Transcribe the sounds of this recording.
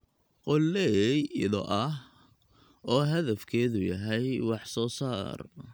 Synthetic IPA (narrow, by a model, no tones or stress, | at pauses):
qɔlːɛjðɔ̰ʔɐɦ | ʔɔːɦɐðɐfkʰɛːðʊjɐɦɛjwɑħsɔːsaːr